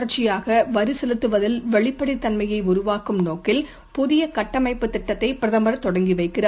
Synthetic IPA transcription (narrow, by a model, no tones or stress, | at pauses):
ɐɾt͡ʃːɪjaːɣɐʋɐɾɯsɛlɯt̪ːɯʋɐðɪlʋɛɭɪpːɐɽit̪ːɐnmɐjɐɪʊɾʊʋaːkɯmnoːkɪl | pʊðɪjɐkɐʈːɐmɐɪpːɯt̪ːɪʈːɐt̪ːɐɪpɪɾɐðɐmbɐɾɐt̪ːɔɽɐŋɡiʋɐɪkːɪraː